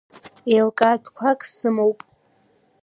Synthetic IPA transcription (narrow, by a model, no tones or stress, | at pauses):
elkʼabkʷʰakʼsɨmowpʼ